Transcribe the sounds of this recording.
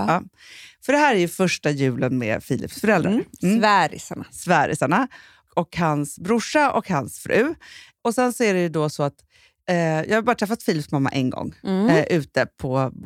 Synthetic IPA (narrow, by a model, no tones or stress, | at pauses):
ɑː | fœɖɛɦæːɾæɾjɵfœʂʈajʉ̟ːlənmḛːfiːlɪ̰psfœɾɛld̪ɾaɾvæɾɪsaɳasvæːɾɪ̰saɳa | ɔkhansbɾʊʂːaʔɔkhansfɾʔʉ̟ː | ɔsɛnsɔæɖɛjɵd̪ɔsɔat̪ː | jʔɑːɡhabɑːɾt̪ʰɾɛfːat̪fiːlɪpsmamːa̰ʔɛnɡɔ̰ŋːʔʉ̟ːt̪əpʰɔ